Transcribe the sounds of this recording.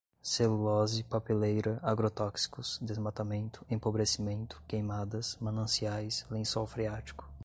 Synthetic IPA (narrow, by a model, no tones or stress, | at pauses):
selulɔzɪpapelejɾɐaɡɾot̪ɔksi̥kʊsd̪ezmat̪amẽnt̪ʊ̥ẽpobɾesimẽnt̪ʊ̥kejmad̪ɐsmɐ̃nɐ̃siajslẽsawfɾiat͡ʃi̥kʊ̥